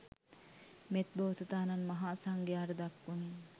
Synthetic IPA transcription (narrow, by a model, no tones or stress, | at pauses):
met̪̚boːsət̪aːnanmɐɦaːsaŋɡejaːɾəd̪akːuni